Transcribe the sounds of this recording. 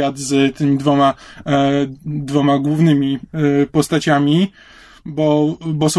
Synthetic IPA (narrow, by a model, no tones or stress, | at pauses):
ad̪zt̪ɘmʲid̪vɔma | d̪vɔmaɡwuvnɘmʲipɔst̪at͡ɕamʲi | bɔbɔsɔ̃